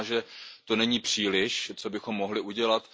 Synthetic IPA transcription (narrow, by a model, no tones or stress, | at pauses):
ʒɛt̪o̞nɛɲiːpr̝̥iːlɪʃt͡sobɪxo̞mːo̞ɦlɪʔuɟɛlat̪